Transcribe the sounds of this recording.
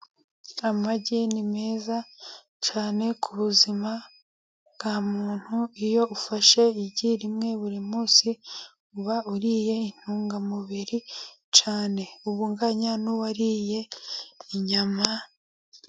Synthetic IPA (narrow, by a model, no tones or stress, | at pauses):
amaɟinimeːza | t͡ʃaːne̞kʰuβuzima | bɡamuːn̥huijo̞ufaʃe̞iɟiɾimŋe̞βuɾimuːsikuβauɾiːje̞in̥huːŋɡamuβiɾi | t͡ʃaːne̞uβuŋɡaɲanuwaɾije̞iɲama